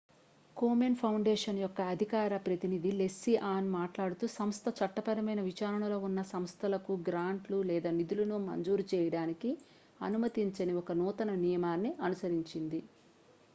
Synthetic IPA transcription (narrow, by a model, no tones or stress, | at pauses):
koːmenpʰɐwɳɖeːʂɐnjɔkːɐːd̪ʱikaːɾɐpɾɐt̪inid̪ile̞sːiʔaːnmaːʈlaːɽut̪uːsɐmst̪ʰɐt͡ʃɐʈːɐpɐɾɐmɐjnɐʋit͡ʃaːɾɐɳɐlo̞ːunːɐsɐmst̪ʰɐlɐkuɡɾaːɳʈlulɛːd̪aːnid̪ulɐnumɐ̰ɲd͡ʒuːɾut͡ʃɛːjɐɽaːniki | ɐ̰numɐt̪iɲt͡ʃɐniɔkɐnuːt̪ɐnɐnijɐmaːnːiɐnusɐɾiɲt͡ʃind̪i